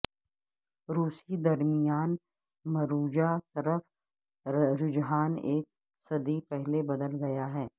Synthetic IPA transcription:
ɾuːsid̪ɐɾmɪjaːn | mɐɾuːd͡ʒat̪ɐɾəf | ɾʊd͡ʒɦaːneːk̚ | sɐd̪ipɛɦlebɐd̪əlɡɐjaɦɛː

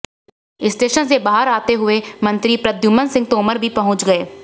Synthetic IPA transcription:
ɪsʈeːʃənsebaːɦəɾaːt̪eɦʊemɐ̃nt̪ɾipɾəd̪juːmənsɪ̃ŋɡ̚t̪oːməɾbʱipɐɦʊ̃t͡ʃɡɐeː

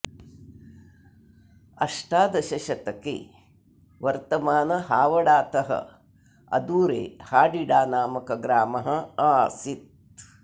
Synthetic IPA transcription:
ɐ̰ʂʈaːd̪ɐʃɐʃɐt̪ɐkḛː | ʋɐɾt̪ɐmaːnɐɦaːʋɐɽaːt̪ɐɦɐ̰ | ɐ̰d̪uːɾḛːhaːɖiɽaːnaːmɐkɐɡɾaːmɐɦɐaːsit̪

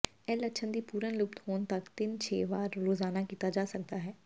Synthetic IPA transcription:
ɛːləkʃʰənd̪iːpuːɾənlʊpt̪hoːnt̪əkt̪ɪnt͡ʃʰḛːʋaːɾɾoːzaːnaːkiːt̪aːd͡ʒaːsək̚d̪aːɦɛː

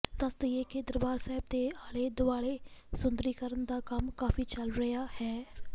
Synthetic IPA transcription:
d̪əst̪əjeːkeːd̪əɾəbaːɾsaːɦɪb̚d̪eːaːleːd̪ʊaːɽeːsʊnd̪əɾiːkəɾənd̪aːkəmkaːfiːt͡ʃəlɾəjaːhɛː

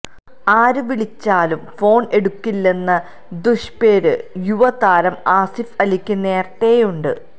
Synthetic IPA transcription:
aːɾɨʋiɭit͡ɕːaːlumfo̞ːɳe̞ɽukːilːe̞nːɐ | d̪uʂpe̞ːɾɨjuʋɐt̪aːɾɐmaːsifɐlikʲːɨne̞ːrt̪e̞ːjuɳɖɨ

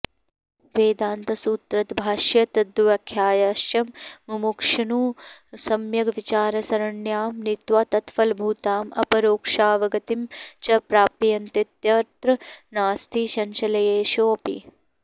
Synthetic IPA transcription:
ʋeːd̪aːnt̪ɐsuːt̪ɾɐt̪bʱaːʃjɐt̪ɐd̪uʋɐkʰːjaːjaːʃjɐmːɐmukʂɐnuːsɐmjɐɡʋit͡ʃaːɾɐsɐɾɐɳjaːmnit̪ʋaːt̪ɐt̪fɐlbʱuːt̪aːmʔɐ̰pɐɾoːkʂaːʋɐɡɐt̪imt͡ʃɐpɾaːpijɐnt̪it̪jɐɾt̪ɾɐnaːst̪ʰiːʃɐnʃɐlɐjeːʃoːpḭ

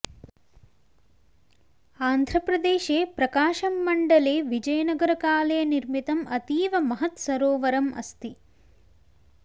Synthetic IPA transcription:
aːnd̪ʱɾɐpɾɐd̪eːʃeːpɾɐkaːʃɐmːɐɳɖɐleːʋid͡ʒɐjɐnɐɡɐɾɐkaːlɐjɐniɾmit̪ɐmɐt̪iːʋɐmɐɦɐt̪sɐɾoːʋɐɾɐmʔɐ̰st̪i

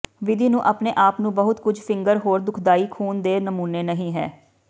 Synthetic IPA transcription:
ʋɪd̪iːnũːʔaːpneːʔaːpnũːbəɦʊt̪kʊd͡ʒʱpʰɪ̃ŋɡəɾɦoːɾd̪ʊkʰd̪aːiːkʰuːnd̪eːnəmuːneːnəɦĩːɦɛ̰ː

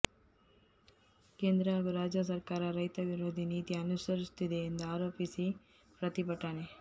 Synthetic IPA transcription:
keːnd̪ɾɐaɡuɾaːd͡ʒjɐs̬ɐɾkaːɾɐɾɐjt̪ɐʋiɾoːd̪ʱiniːt̪iɐnusɐɾist̪id̪eːnd̪uaːɾo̞ːpisi | pɾɐt̪ipɐʈːaːne

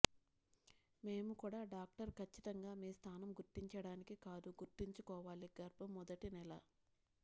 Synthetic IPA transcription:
me̞ːmukuːɽaːɖaːk̚ʈɐɾkʰɐt͡ʃːit̪ɐŋɡaːmiːst̪ʰaːnɐmɡuɾt̪iɲt͡ʃɐɽaːnikikaːd̪uɡuɾt̪iɲt͡ʃukɔːʋaːliɡɐɾbɐmːɔd̪ɐʈinɛlɐ

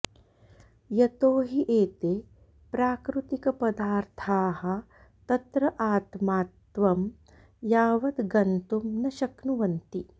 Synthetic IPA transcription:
jɐt̪oːɦiʔeːt̪eː | pɾaːkɾut̪ikɐpɐd̪aːɾt̪ʰaːɦɐ̆ | t̪ɐt̪ɾɐʔaːt̪maːt̪ʋɐm | jaːʋɐd̪ɡɐnt̪umnɐʃɐknuʋɐnt̪i

